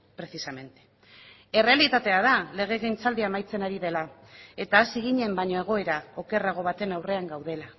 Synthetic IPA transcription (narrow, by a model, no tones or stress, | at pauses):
pɾe̞sisame̞nt̪e̥ | e̞re̞alit̪at̪e̞að̞ale̞ɣ̞e̞ɣejnt͡sald̪iamajt͡se̞naɾiðe̞la | e̞t̪aːsiɣ̞iɲe̞mbaɲo̞e̞ɣ̞o̞e̞ɾao̞ke̞raɣ̞o̞β̞at̪e̞nawre̞aŋɡawð̞e̞la